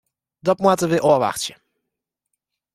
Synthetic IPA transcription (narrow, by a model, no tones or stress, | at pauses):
d̪ɔpmuat̪əvɪʔɔva̰xt͡ɕɛ